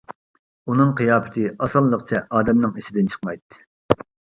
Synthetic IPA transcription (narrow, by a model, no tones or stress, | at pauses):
unɨŋqʰijɑːpʰɪ̥t̪ʰɨɑsɑlˠlˠəqt͡ʃʰɛʔɑːd̪ɛmnɨŋisɪd̪ɪnt͡ʃʰə̥χmɑjt̪ːɨ̥